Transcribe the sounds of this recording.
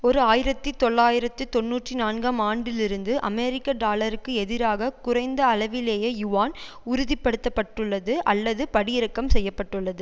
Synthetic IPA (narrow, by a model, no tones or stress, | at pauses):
ɔɾɯaːjɪɾɐt̪ːit̪ɔɭːaːjɪɾɐt̪ːɯt̪ɔnːuːʈrinaːnɡaːmaːɳɖɪlɪɾɯnd̪ɯʔɐ̰mɛːɾɪkːɐɖaːlɐɾɯkːɯɛðɪɾaːɣɐkʊrɐɪnd̪ɐːlɐʋɪleːjɐjʊʋaːn | ʊɾʊðɪpːɐɽɯt̪ːɐpːɐʈːɯɭːɐðɯʔɐlːɐðɯpɐɽɪjɪɾɐkːɐmsɛjːɐpːɐʈːɯɭːɐðɯ